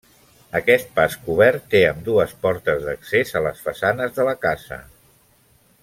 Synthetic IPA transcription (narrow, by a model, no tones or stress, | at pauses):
əkɛst̪̚paskuβɛɾt̪ːeəmd̪uəspɔɾt̪əzðəksezələsfəsanəzðələkazə̰